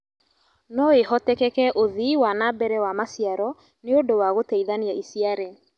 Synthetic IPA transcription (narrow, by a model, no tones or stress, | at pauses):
nɔeɦɔtɛkɛkɛʔoðiwanabɛɾɛwamasiaɾɔ | neodowaɣotɛiðaniaisiaɾɛ